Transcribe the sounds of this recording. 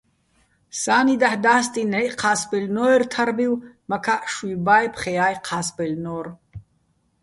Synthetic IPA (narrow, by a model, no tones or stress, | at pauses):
saːnid̪aħd̪aːst̪ʼinɛʔqʰaːsbɛlnɔɛrt̪ʰaɾbiwmakʰaʔʃibaːjpʰχɛjaːjqʰaːsbɛlnɔr